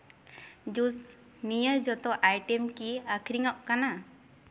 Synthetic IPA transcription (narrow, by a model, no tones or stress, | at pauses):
d͡ʒus | nijəd͡ʒɔt̪ɔʔajʈɛmkiakʰɾiŋɔʔkana